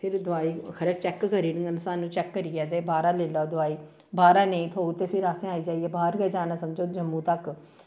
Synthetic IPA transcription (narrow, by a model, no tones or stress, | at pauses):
pʰɪɾd̪ʊaːiːkʰəɾet͡ʃɛːkːkəɾiːnə̃ŋɡənsaːnːũːt͡ʃɛːkːəɾiːɛːd̪eːbaːɾaːleːlaːd̪ʊaːiː | baːɾaːneĩːt̪ʰoːuːt̪eːpʰɪɾaːsẽːaːiːd͡ʒaːiɛːbaːɾɡɛːd͡ʒaːnaːsəmd͡ʒoːd͡ʒəmːũːt̪ək